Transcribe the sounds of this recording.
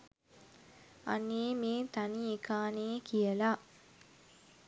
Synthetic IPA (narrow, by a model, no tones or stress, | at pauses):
a̰nːeːmeːt̪aniekaːneːkʰijəla